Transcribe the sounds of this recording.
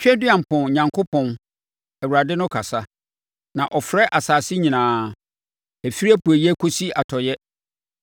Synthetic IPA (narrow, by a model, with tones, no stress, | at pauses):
t͡ɕᶣɛ˦dɪ˦ã˨m̩˨pʰɔ̃˨n˨ɲã˨ŋkʰo˦pʰɔ̃˨n | æ˨wu˨ɾa˨dɪ˦nʊ̃˦kʰa˨sa˦ | nã˨ʔɔ˨fɾɛ˦ʔa˨saː˨sɪ˦ɲĩ˨nãː˨˦ | æ˨fi˦ɾi˦æ˦pu˨æ˨jɛ˦kʰo˦si˦a˨tʰɔ˨jɛ˦